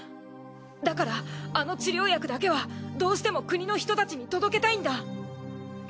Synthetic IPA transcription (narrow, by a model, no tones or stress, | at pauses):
d̪akaɾaːno̞t͡ɕiɾʲo̞ːjakɯ̟d̪ake̞βad̪o̞ːɕi̥t̪e̞mo̞kɯ̟ɲ̟ino̞çʲi̥t̪o̞t̪at͡ɕiɲ̟it̪o̞d̪o̞ke̞t̪aĩnd̪a